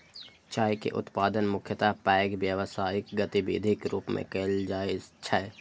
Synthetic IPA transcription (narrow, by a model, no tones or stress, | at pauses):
t͡ʃaːikḛʔʊ̰t̪paːd̪ənmʊkʰjət̪apɛːɡʋjəʋsaːɪkɡət̪ibḛːd̪ʱɪkɾuːpmʔḛ̃keːld͡ʒaːɪd͡ʒt͡ʃʰɛ